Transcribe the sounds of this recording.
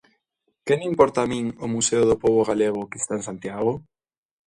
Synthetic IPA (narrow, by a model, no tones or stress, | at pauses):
kenimpɔɾt̪aːmĩŋomuseoðopoβoɣaleɣ̞okest̪aẽŋsant̪jaɣ̞o